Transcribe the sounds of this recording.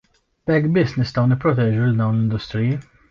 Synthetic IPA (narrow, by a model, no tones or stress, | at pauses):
b̥ɛkːbɪsːnɪst̪ɐwnɪpːɾɔt̪ɛːd͡ʒuld̪ɐwnlɪnd̪ʊst̪ɾɪji